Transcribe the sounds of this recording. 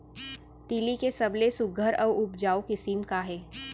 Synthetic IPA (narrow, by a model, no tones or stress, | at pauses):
t̪iːlikesɐblesʊɡʱəɾɔːʊpd͡ʒaːokɪsiːmkaɦɛː